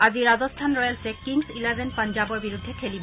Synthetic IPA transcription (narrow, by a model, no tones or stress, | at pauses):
aziɹazɔstʰanɹɔjalsekiŋsilabenpand͡ʒabɔɹbiɹud̪ʱːekʰelibɔ